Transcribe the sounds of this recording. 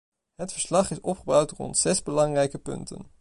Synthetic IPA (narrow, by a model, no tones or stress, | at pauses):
ɦətfəɹslɑχɪsɔpχəbɑwtrɔ̰ntsɛzbəlɑŋrɛjkəpɵ̰ntə̰n